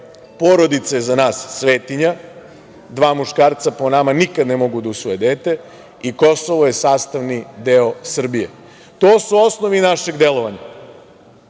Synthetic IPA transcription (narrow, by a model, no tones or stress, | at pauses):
poɾo̞d̪it̪sajezanaːsːʋeːt̪iɲa | d̪ʋaːmuʃkaːɾt̪saponamanikad̪nemo̞ɡud̪ausʋoje̞d̪eːt̪e̞ | iko̞soʋoje̞saːst̪aʋnid̪eosr̩bijḛ | t̪oːsuo̞snoʋinaʃe̞ɡd̪e̞lˠo̞ʋaɲa